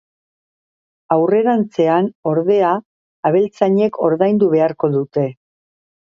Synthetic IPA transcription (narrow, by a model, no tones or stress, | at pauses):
awre̞ɾant͡se̞ano̞ɾðe̞aː | βe̞lt͡saɲe̞kʰo̞ɾðajnd̪uβ̞e̞aɾko̞ðut̪e̞